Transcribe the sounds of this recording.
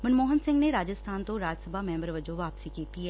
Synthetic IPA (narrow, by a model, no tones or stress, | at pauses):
mɐnmoːɦənsɪ̃ŋɡneɾaːd͡ʒəst̪ʰaːnt̪õɾaːd͡ʒsəbʱamɛ̃ːmbəɾʋɐd͡ʒoʋaːpsikeːt̪iɦɛː